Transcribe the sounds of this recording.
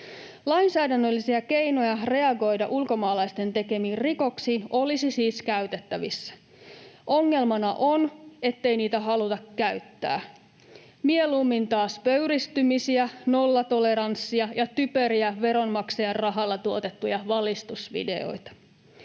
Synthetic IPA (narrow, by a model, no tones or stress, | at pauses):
lɑinsæːdænːølːisiæke̞ijno̞jɑre̞ɑɡo̞jdɑʔulko̞mɑːlɑjst̪e̞nt̪e̞ke̞miːrriko̞ksiːno̞lisisiːskæyt̪et̪ːæʋisːæ̥ | ʔo̞ŋːe̞lmɑnɑʔone̞t̪ːe̞jniːt̪æɦɑlut̪ɑkːæyt̪ːæ̰ː | mielumːint̪ɑːspøɥɾist̪ymisiæno̞lːɑt̪ole̞ɾɑnsːiɑjɑt̪ypø̞ɾiæʋe̞ɾo̞nmɑksejɑrrɑɦɑlːɑt̪uo̞t̪e̞t̪ːujɑʋɑlist̪usʋḭde̞̰o̞̰jt̪ɑ̥